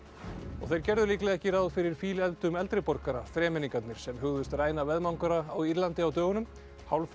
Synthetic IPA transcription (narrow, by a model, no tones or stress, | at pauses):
ɔ̰ɣθejɾ̥cɛɾðʏliːklɛɣɛhcɪɾawðfɪɾɪɾ̥fiːlɛlt̪ʏmɛlt̪ɾɪpɔɾkaɾa̰fɾɛːmɪniŋkat̪nɪɾ̥sɛmɦʏɣðʏst̪raːjnavɛðmawŋkaɾaawiɾlant̪ɪawt̪œːɣʏnʏm | hawlf